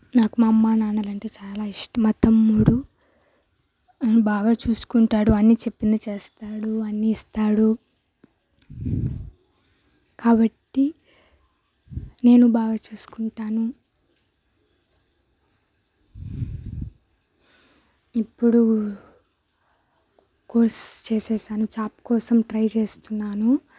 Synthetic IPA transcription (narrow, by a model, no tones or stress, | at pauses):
naːkumɐmːaːnaːnɐlɐɳʈe̞ːt͡ʃaːlaːiʂʈɐmɐt̪ɐmːuːɽu | baːɡaːt͡ʃuːsu̥kuɳʈaːɽuɐnːit͡ʃe̞pːind̪ɐt͡ʃe̞ːst̪aːɽuɐnːiːst̪aːɽu | kaːbɐʈːi | ne̞ːnubaːɡaːt͡ʃuːsu̥kuɳʈaːnu | ipːuɽu | koɾst͡ʃeːsɛːʃaːnut͡ʃaːpkɔːsɐmʈɾɐjt͡ʃe̞ːst̪unːaːnu